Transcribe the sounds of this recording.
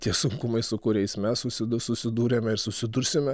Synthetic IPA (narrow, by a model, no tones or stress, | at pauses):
t̪ʲiɛsʊŋkʊmɐɪsʊkʊɾʲɛɪsmʲɛssʊsʲɪd̪ʊsʊsʲɪd̪uːɾʲeːmʲɛɪɾsʊsʲɪd̪ʊɾʲsʲɪmʲɛ